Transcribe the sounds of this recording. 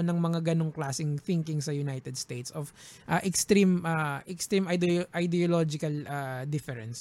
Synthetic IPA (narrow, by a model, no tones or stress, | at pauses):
nɐŋmɐŋaɡɐnoŋklaːsɪŋθɪŋkɪŋsɐjʊnajt̪ɛd̪st̪ejt̪sʔof | ʔaʔɛkst̪ɾimʔaʔɛkst̪ɾimɐd̪ʔɐjd̪ɛolod͡ʒɪkɐlʔaːd̪ɪfɛɾɛns